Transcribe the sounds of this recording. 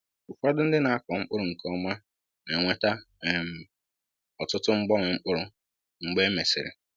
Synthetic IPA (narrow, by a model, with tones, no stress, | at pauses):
ʊ˨kʷa˦dʊ˦n̩˦dɪ˦na˨a˦kɔ˨ŋ͡m̩˦k͡pʊ˦ɾʊ˨ŋ̩˨kɔ˦ma˦ | ne˨ŋʷe˦ta˦ | e˨m̩˨ | ɔ˨tʊ˦tʊ˦ŋ͡m̩˦ɡ͡bɔ˦ŋʷɪ˨ŋ͡m̩˦k͡pʊ˦ɾʊ˦ | ŋ͡m̩˨ɡ͡be˦me˨sɪ̰˨ɾɪ̰˨